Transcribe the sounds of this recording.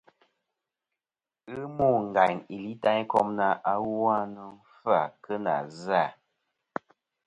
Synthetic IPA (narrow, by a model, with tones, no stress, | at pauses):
ɨ˦mu˦˨ŋ̩˨ɡa˨jni˨li˦ta˦ɲ˦kɔ˦mna˨ʔa˦wwa˦nə˨˦fa˨kə˦na̰˨za˦˨